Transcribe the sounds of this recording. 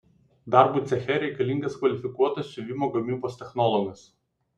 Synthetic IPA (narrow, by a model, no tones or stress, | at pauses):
d̪ɑˑɾbuːˑt̪sʲɛxʲɛɾʲɛɪkɐlʲɪŋʲɡɐskʋɐlʲɪfʲɪkuɔt̪ɐssʲʊʋʲiˑmoːɡɐmʲiːboːsʲt̪ʲɛxnɔlˠɔɡʲɐs